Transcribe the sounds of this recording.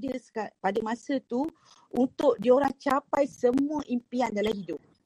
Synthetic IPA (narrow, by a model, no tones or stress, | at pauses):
dəsapadəmãsət̪u | unt̪ʊʔ̚dioɾaŋt͡ʃapajsəmũəʔimpiandalaɦidʊp̚